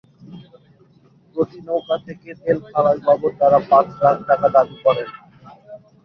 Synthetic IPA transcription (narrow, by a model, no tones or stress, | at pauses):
pɾot̪inowkat̪ʰeket̪elkʰalajbʱabot̪aɾapãt͡ɕɾak̚ʈakad̪abikɔɾen